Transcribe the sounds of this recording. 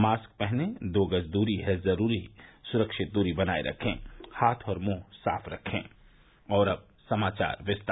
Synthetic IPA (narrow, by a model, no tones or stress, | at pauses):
maːsk̚pɛɦned̪oːɡəsd̪uːɾiɦɛzɐɾuːɾisʊɾəkʃɪt̪̚d̪uːɾibɐnaːḛɾʔɐ̰kʰḛ̃ːhaːt̪ʰɔːɾmõːsa̰ːfʰɾɐkʰːḛ̃ː | ɔːɾɐb̚ | sɐmaːt͡ʃa̰ːɾʋɪst̪